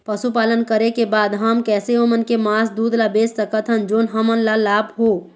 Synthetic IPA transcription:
pəsupaːlənkəɾekebaːd̪ɦəmkɛːseɦomənkemaːsd̪uːd̪labeːssəkət̪ʰɦənd͡ʒoːnɦəmənlalaːbɦoː

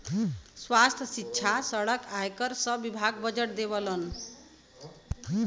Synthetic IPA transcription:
swast̪ʰjsikːt͡ʃʰasʌɽʌkajkʌɾsʌbibʱaɡbʌd͡ʒeʈ̚d̪eβʌlʌn

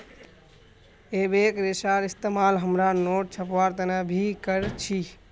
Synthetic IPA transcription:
eːbekɾesaɾist̪emaːlɦəmɾanoːʈ̚t͡ʃʰəpʋaɾt̪ənɛbʱikəɾt͡ʃʰi

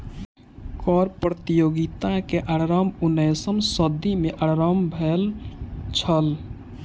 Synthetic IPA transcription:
kɔɾpɾət̪ijoɡit̪akeʔaɾɾəmunəjsəmsəd̪imeʔaɾɾəmbʱelt͡ʃʰəl

